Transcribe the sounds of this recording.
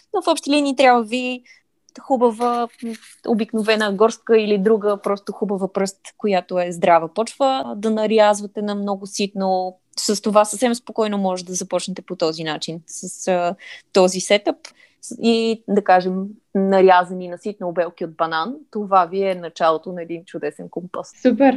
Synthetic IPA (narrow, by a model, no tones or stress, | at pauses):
nofɔpʃt̪ɛliniːt̪ɾʲjabvəvi | xubəvə | o̰biknovɛnəɡɔɾskəilid̪ɾuɡəpɾɔst̪oxubəvəpɾɤst̪kojat̪oɛzd̪ɾavəpɔt͡ʃvəd̪ɐnɐɾjazvɐt̪ɛnɐmnɔɡosit̪no | səst̪ovasəfsɛmspokɔjnomɔʒɛt̪d̪ɐzɐpɔt͡ʃnɛt̪ɛpot̪ɔzinat͡ʃinsəsət̪ɔzisɛt̪əp | id̪ɐkaʒɛm | nɐɾʲazɐninɐsit̪̚noːbɛlˠk̟iod̪̚bɐnant̪ovaviɛnɐt͡ʃalˠot̪onɐɛd̪int͡ʃʊd̪ɛsɛnkompəssupɛɾ